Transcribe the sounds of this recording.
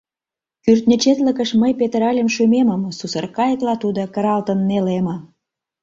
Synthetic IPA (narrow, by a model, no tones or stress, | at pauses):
kyrt̪nʲə̆t͡ɕet̪lə̆kə̆ʃməjpet̪əɾɑlʲemʃumemə̆msusərkɑjə̆klɑt̪ud̪okə̆ɾɑlt̪ənːelemə